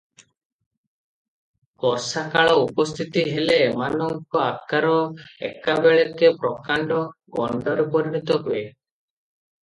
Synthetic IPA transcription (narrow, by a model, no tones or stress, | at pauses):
kɔɾsakaɭɔupɔst̪ʰit̪iɦeleːmanɔŋkɔakaɾɔḛkabeɭekepɾɔkaɳɖɔɡɔ̰ɳɖɔɾepɔɾiñit̪ɔɦue